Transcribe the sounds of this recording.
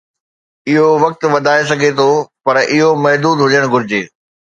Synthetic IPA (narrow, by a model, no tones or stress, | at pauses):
ɪɦoʋɐk̚t̪̆ʋɐd̪ʱaːes̬ɐɡʱet̪ʰopɐɾʔɪɦomɐɦd̪uːd̪ɦʊd͡ʑəɽ̃ɡʱʊɾɪd͡ʑeː